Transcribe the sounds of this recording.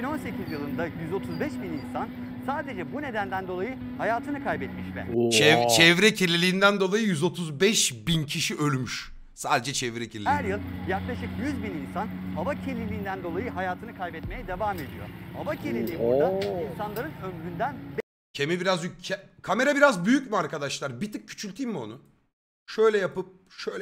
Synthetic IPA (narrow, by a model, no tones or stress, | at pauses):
bino̞nse̞cʰizjɯlˠɯnd̪ajyzo̞t̪ʰuzbɛʃbininsan | saːd̪e̞d͡ʒɛbune̞d̪ænd̪ænd̪o̞lˠajɯ | hajaːt̪ʰɯnɯkʰajbɛt̪miʃbæ̰t͡ʃɛt͡ʃʰɛvɾɛcʰiɾlʲilʲiːnd̪ænd̪o̞lˠajɯjyzo̞t̪ʰuzbɛʃbincʰiʃiʔø̞lʲmyʃ | saːd̪e̞d͡ʒɛt͡ʃʰɛvɾɛcʰiɾlʲihæɾjɯlˠjaklˠaʃɯkjyzbininsanabacʰelʲilʲiːnd̪ænd̪o̞lˠajɯɦajaːt̪ʰɯnɯkʰajbɛt̪me̞jɛd̪evaːme̞d̪ijo̰abacʰelʲilʲibuɾd̪ainsanlˠaɾɯnømɾynd̪ænb | cʰemibiɾazycʰɛkʰame̞ɾabiɾazbyjycmyaɾkad̪aʃlˠaɾbit̪ʰɯk̚cʰːy̥t͡ʃʰylʲt̪ʰimmio̞̰nu | ʃø̞jlʲɛjapɯp̚ | ʃøjlʲ